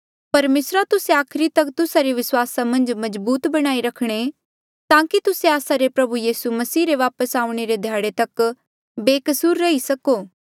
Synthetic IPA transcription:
pɐɾmeːsɾat̪ʊseaːkʰɪɾit̪ɐkt̪ʊsaɾiʋɪswaːsamɐ̃nd͡ʒmɐzbuːt̪bɐɽ̃aːiɾɐkʰɽ̃e | t̪ãːkit̪ʊseaːsaɾepɾɐbujiːsumɐsiːɾeʋaːpəsaːʊ̃ɽ̃eɾed̪ʱjaːɽet̪ɐk | beːkɐsuːɾːɐɦisɐkoː

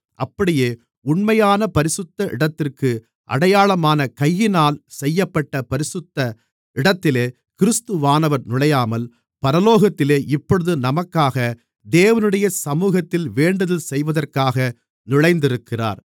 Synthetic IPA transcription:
ʔɐpːɐɽɪjeː | ʊɳmɐjaːnɐpɐɾɪsɯt̪ːɐʔɪɽɐt̪ːɪrkɯ | ʔɐ̰ɽɐjaːɭɐmaːnɐkɐjːɪnaːlsɛjːɐpːɐʈːɐpɐɾɪsɯt̪ːɐ | ɪɽɐt̪ːɪleː | kɪɾɯst̪ɯʋaːnɐʋɐɾnʊɭɐjaːmɐl | pɐɾɐloːɣɐt̪ːɪleːʔɪpːɔɽɯðɯnɐmɐkːaːɣɐ | d̪eːʋɐnɯɽɐjɐsɐmuːɣɐt̪ːɪlʋeːɳɖɐðɪlsɛjʋɐðɐrkaːɣɐ | nɪɻɐɪnd̪ɪɾɯkːɪra̰ːɾ

